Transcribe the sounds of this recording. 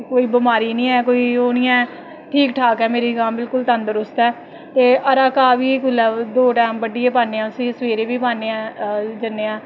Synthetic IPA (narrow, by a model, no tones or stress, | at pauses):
koːiːbəmaːɾiːnĩːɛːkoːiːoːnɪjãː | ʈʰiːkʈʰaːkɛːmeːɾiːɡaːmbɪlkʊlt̪ə̃nd̪əɾʊst̪ɛː | t̪eːəɾaːkaːʋiːkʊlːɛːd̪oːʈɛːmbəɖieːpaːneːãːʊsĩːsəʋeːɾeːʋiːpaːneːɛ̃ːd͡ʒənːeːãː